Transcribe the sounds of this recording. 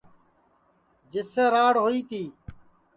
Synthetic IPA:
d͡ʒɪseːɾaːɽɦoːiːt̪iː

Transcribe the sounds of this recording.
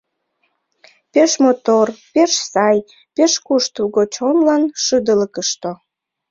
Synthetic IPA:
peʃmot̪orpeʃsɑj | peʃkuʃt̪uɣot͡ɕonlɑnʃəd̪ələkəʃt̪o

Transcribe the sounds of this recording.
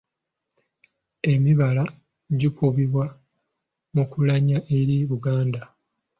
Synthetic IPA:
e̞miβala | ɟikuβiβwa | mukulaɲaʔeɾiβuɡaːnda

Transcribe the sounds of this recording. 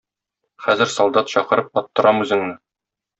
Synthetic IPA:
χæzɘ̆ɾsɒlˠd̪ɑt̪ɕɒqɤ̆ɾɤp̚ɒt̪ːɤ̆ɾɑmʉzɘ̆ŋnɘ

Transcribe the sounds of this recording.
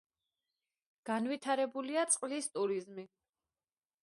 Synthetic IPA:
ɡ̥anvit̪ʰaɾɛbuliat̪sʼqʼlist̪ʼuɾizmi

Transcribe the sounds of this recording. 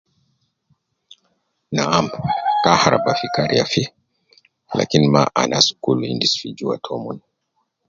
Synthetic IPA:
naamkahaɾabafikaɾiafi | la̰kinimaʔanʔasu̥kuluindisfid͡ʒuwa̰tʰɔmun

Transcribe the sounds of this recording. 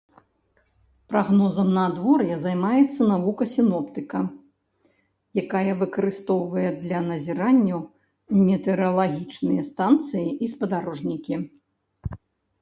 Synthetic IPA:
pɾaɣnɔzɐmnɐd̪vɔrjɛzajmajɛt̪sːɐnavukɐsʲinɔpt̪ɨkɐ | jakajɐvɨkɐɾɨst̪ɔwvɐjɛd̪lʲɐnɐzʲiɾanʲːɐw | mʲɛt̪ɛɾɨɐlˠaɣʲit͡ʂnɨjɐst̪ant̪sɨjiʔispɐd̪aɾɔʐnʲikʲi

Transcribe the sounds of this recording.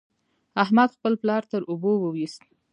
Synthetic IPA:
ahmad̪xpəlplɑɾt̪əɾʔubowəwist̪

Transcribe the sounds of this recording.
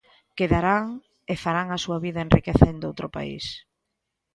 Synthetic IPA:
keðaɾaŋ | efaɾaŋasuɐβiðɐenrikeθend̪owt̪ɾʊpa̰ḭs

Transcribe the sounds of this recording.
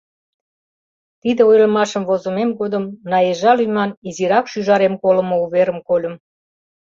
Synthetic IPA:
t̪id̪eojləmɑʃə̆mvozəmemɡod̪əmnɑjeʒɑlyjmɑniziɾɑkʃyʒɑɾemkolə̆mouβeɾəmkolʲə̆m

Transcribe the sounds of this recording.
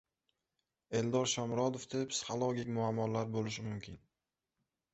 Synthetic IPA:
e̞ld̪ɒɾʃɒmɾɒd̪ofd̪̥epsɪ̥χolˠoɡʲɪkʲmʊamːɒlaɾbolɪʃ̬ɪmʊmkʲʰɪn

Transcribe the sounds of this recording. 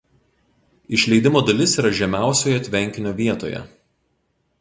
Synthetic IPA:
ɪʃʲlʲɛɪd̪ʲɪmoːd̪ɐlʲɪsiːˑɾɐʒʲɛmʲæˑʊsʲoːjɛt̪ʲʋʲɛŋʲkʲɪnʲoːʋʲiɛt̪o̰ːjɛ̰

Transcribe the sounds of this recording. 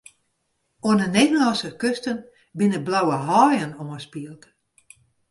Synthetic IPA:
oənəneːdənlɑnsəkøstən | bɪnəblawəɦɔːjənoəspiəlˠk

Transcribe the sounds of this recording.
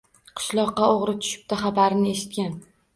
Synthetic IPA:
qʰɨ̥ʃlˠɒqːɑoʁɾɪt̪ʰʊ̥ʃɪ̥p̚t̪aχabaɾnɪe̞ʃɪ̥t̪̚kʲan

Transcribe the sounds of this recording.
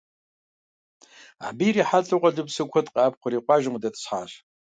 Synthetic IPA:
ʕbijriːħatʼuqʷʼɐɮɨpsɨkʷʰɔtʼqʼɑːp̚qʷʊɾiːqʷɑːʒɪmdɐtʰʼsħa̰ːɕ

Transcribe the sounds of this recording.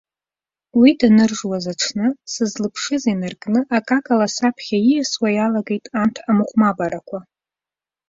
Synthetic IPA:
widanɨrʒwazaʈ͡ʂʷʰnɨsɨzlɨpʰʂɨzinɨrkʼnɨʔakʼakʼalasapʰχʲajiaswajalaɡe̞jtʼantʰamɨχʷmabaɾakʷʰa

